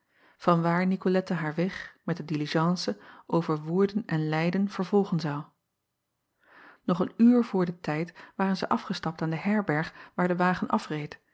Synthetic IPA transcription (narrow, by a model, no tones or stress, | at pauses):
v̥ɑnʋaːɹnikolɛtəɦaːɹʋɛχmɛt̚dədiliʒɑnsəʔowvəɹʋʊːɹdənɛnlɛjdənv̥əɹvɔlˠχənzɑw | nɔχənyːɹvʊːɹdətɛjtʋaːɾənzəʔɑfχəstɑp̚taːndəɦɛɹbɛɹχʋaːɹdəʋaːχənʔɑfrejt